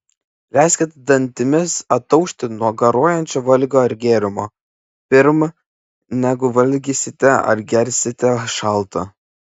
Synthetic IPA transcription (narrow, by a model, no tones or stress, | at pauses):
lʲæːsʲkʲɛt̪ʲd̪ɐnʲt̪ʲɪmʲɪsɐt̪ːɐʊʃʲt̪ʲɪnuɔɡɐɾuɔjɛnʲt͡ʃʲoːʋɐlʲɡʲoːɪɾʲɡʲeːɾʲɪmo̰ː | pʲɪɾm | nʲæɡʊʋɐlʲɡʲiːsʲɪt̪ʲɛɐ̰ɾɡʲɛɾʲsʲɪt̪ʲɛʃɑˑlˠt̪ɐ